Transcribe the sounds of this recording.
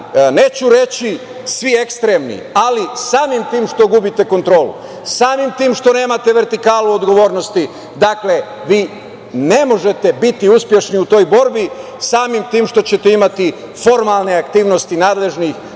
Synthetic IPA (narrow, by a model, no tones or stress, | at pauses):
ne̞ːt͡ɕuɾe̞t͡ɕi | sʋiekst̪ɾe̞mnḭalisaːmimt̪iːmʃt̪o̞ɡubit̪e̞ko̞nt̪ɾo̞ːlṵ | saːmimt̪iːmʃt̪o̞ne̞ːmat̪e̞ʋe̞ɾt̪ikaːluod̪ɡo̞ʋo̞ːɾnost̪i | d̪akle̞ | ʋiː | ne̞mo̞ʒe̞t̪e̞bit̪iuspʲje̞ʃniut̪o̞ːjbo̞ɾbi | saːmimt̪iːmʃt̪o̞t͡ɕet̪eimat̪i | fo̞ɾmalˠne̞akt̪iːʋnost̪inaːd̪le̞ʒnix